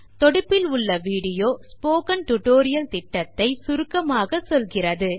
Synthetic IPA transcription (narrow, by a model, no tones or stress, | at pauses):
t̪ɔɽɯpːɪlʊɭːɐʋiːɽɪjoːsspoːkɐnʈʊʈoːɾɪjɐlt̪ɪʈːɐt̪ːɐɪsʊɾɯkːɐmaːɣɐsɔlɣɪrɐðɯ